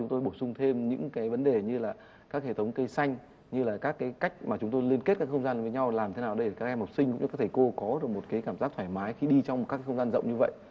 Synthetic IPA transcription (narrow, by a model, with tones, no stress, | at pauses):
t͡ɕʊ˨˦ŋ͡mt̪o˧jɓo˧˩sʊ˧ŋ͡mt̪ʰe˧mɲɨ̰˧˥ŋkaː˨˦jvə˨˦nɗe˨˩ɲɨ˧laː˨˩ | kaː˦˥k̚hḛ˧˩t̪ʰwŋ͡mkə˧jsa˧jŋ̟ | ɲɨ˧laː˨˩kaː˦˥kːaː˨˦jka˦˥jk̟̚maː˨˩t͡ɕʊ˨˦ŋ͡mt̪o˧jli˧ənke˦˥t̚kaː˦˥kxə˧wŋ͡mzaː˧nvəː˨˦ɲa˧wlaː˨˩mt̪ʰe˨˦naː˨˩ɗə˧jəː˨˩kaː˦˥k̚ʔɛ˧mha˨˩wk͡p̚sï˧ŋ̟kʊ̰˧˥ŋ͡mːt̪ʰːko˧kɔ˨˦ɗɨ˨˩ək̚mo˨˩t̚kaː˨˦jkaː˧˩mzaː˦˥k̚t̪ʰwaː˧˩jmaː˨˦jxi˧ɗi˧t͡ɕɔ˧wŋ͡m̚kaː˦˥kːa˨˦xə˧wŋ͡mzaː˧nzə̰˧˨ŋ͡mɲɨ˧və̰˧˨jʔ